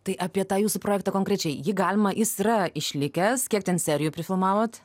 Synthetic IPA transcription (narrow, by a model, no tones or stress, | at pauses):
t̪ɐɪʔɑpʲiɛt̪ɑːjuːsʊpɾoːjɛkt̪ɑkoːŋkɾʲɛt͡ʃʲɛɪjɪɡɑːlʲɪmɐjɪsiɾɐɪʃʲlʲɪkʲɛskʲiɛkt̪ʲɛnsʲɛɾʲɪjupʲɾʲɪfʲɪlˠmɑːʋoːt̪